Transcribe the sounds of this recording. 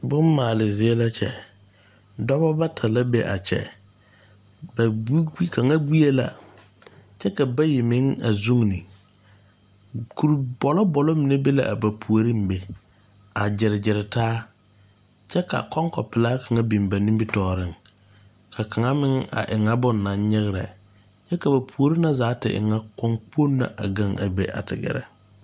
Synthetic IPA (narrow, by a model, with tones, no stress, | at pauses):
bʊ˦mː˦aː˨lɪ˨zɪ˨˦ɛ˦la˦t͡ʃɛ̰˨ | dɔ˦bɔ˦ba˦tʰa˨la˦be˦ʔa˨t͡ʃɛ̰˨ | ba˨i˦i˦kʰa˨ŋa˦ɡi˦e˦la̰˨ | t͡ʃɛ˦ka˨ba˦ji˨mɪ˦ŋa̰˨zu˦ŋnɪ˨ | kʰu˨ɾbɔ˨lɔ˦bɔ˨lɔ˦mɪ˨ne˦be˦la̰˨ʔa˨ba˨pʰu˨o˨ɾi˦m˦be˨ | a˨d͡ʒɪ˨ɾɪ˨d͡ʒɪ˨ɾɪ˨taː˦ | t͡ʃɛ˦ka̰˨kɔ˦ŋkɔ˨pɪ˨laː˦ka˨ŋa˦bi˨mba˨ni˦mbi˦tɔː˨ɾɪ˦ŋ | kʰa˨ka˨ŋa˦mɪ˦ŋa̰˨ʔɪ˨ŋa˦bɔ˦nː˨a˨n˦ɲɪ˦ɣɪ˦ɾɛ̰˨ | t͡ʃɛ˦ka˨ba˨pʰu˨o˨ɾi˦na˦zaː˨˦tɪ̰˨ʔɪ̰˨ŋa˦kɔ˦ŋk͡po˦nːa̰˨ʔa̰˨ɡa˦˨ŋa̰˨be˨ʔa̰˨tɪ̰˨ɡɛ̰˦˨ɾɛ̰˨